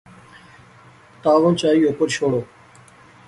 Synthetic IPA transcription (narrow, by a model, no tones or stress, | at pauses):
t̪aːʋõːnt͡ʃaːiːoːkəɾʃʰoːɽoː